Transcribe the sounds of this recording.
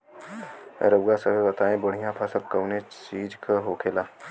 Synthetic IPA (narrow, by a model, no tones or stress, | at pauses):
ɾəwɡasəbʱebɐt̪aːẽbəɽ̤ijãpʰasəb̚kəwnet͡ʃiːd͡ʒkʰəɦoːkʰeːlaː